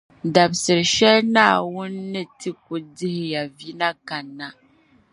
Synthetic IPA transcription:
da˨bsɨ˨ɾɨ˨ʃɛ˦lnaː˦˨wʊ˦nː˦ɨ˦tɨ˦k̚ʊ˨dɪ˦hɪ˨ja˨vi˦na˦ka˨nːa˨

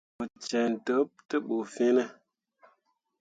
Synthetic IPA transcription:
ə˨t͡ʃɛ˨n̩˨tə˨˦p̚tə˦ɓo˨fe˦nə˦

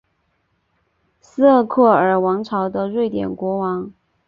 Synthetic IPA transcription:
sɹ̩˥ə˥˧kʰɤ˥˩ə˞˨˩wɑ˧˥ŋʈ͡ʂʰɑ˧˥ʊd̪ə˧ɻwe˥˩ɪt̪jɛ̰˨˩nkwɔ˧˥wɑ˧˥ŋ

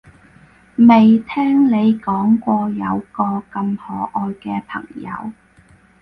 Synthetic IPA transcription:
me˨jt̪ʰɛː˥ŋne˨˧jkɔː˨˥ŋkʷɔː˧jɐ˨˧wkɔː˧kɐ˧mhɔː˨˥ʔɔː˧jkɛː˧pʰɐ̰˨˩ŋjɐ̰˨˧˥w

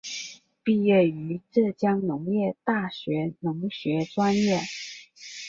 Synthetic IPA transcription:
pi˥˧jɛ˥˩y˧˥ʈ͡ʂɤ˥˩t͡ɕjɑ˥ŋnʊ˧˥ŋjɛ˥˧t̪a˥˩ɕɥɛ˧˥nʊ˧˥ŋɕɥɛ˧˥ʈ͡ʂwa˥njɛ˥˩

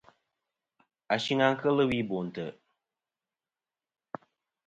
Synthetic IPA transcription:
a˨ʃi˦ŋa˦ŋkə˦lɨ˦wi˦bo˨n˨tə˨

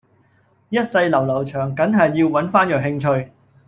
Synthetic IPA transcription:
jɐ˥t̚sɐ˧jlɐ˨˩wlɐ˨˩wt͡ʃʰœː˨˩ŋkɐ˨˥nɦɐ˨jːiː˧wwɐ˨˥nfaː˥njœː˨˩kɦɪ˧ŋt͡ʃʰɵ˧ɥ

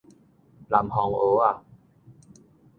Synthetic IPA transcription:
la˨˩mhɔ˨˩ŋʔoː˨˦a˨

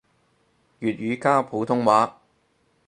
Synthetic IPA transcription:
jyː˨t̚ɥyː˨˧kaː˥pʰu˨˥t̪ʰʊ˥ŋwaː˨˥

